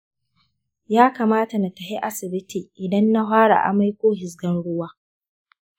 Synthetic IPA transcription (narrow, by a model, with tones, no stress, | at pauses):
jaː˦kaː˨maː˦ta˨na˨tɐ˨hi˦ʔa˦sɪ˨bɪ˦ti˨ʔɪ˨dɐ˦nːa˦ɦaː˦ɽa̰˨ʔa̰˨ma˦jkʷoː˦ɦɪ˨s̬ɡɐ˦nɽʊ˦waː˦